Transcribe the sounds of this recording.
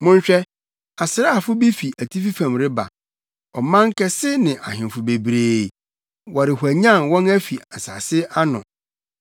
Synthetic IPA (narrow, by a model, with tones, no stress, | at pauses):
mʊ̃˦ɲ˦ɕᶣɛ˦ | a˨sɪ˨ɾa˦˨fʊ˦bi˦fi˨ʔæ˨tʰi˦fi˦fã˨mɾɪ˦ba̰˨ | ɔ˨mã˦ŋ̩˦kʰɛ˦sɪ˦nɪ̃˨ʔa̰˨hɪ̃˨m˨fʊ˨be˨bɾeː˦˨ | wɔ˨ɾɪ˨hʷu˨æ˨ɲã˦˨nwɔ̃˦næ˦fi˨a˨sa˨sɪ˦a˦nʊ̰̃˨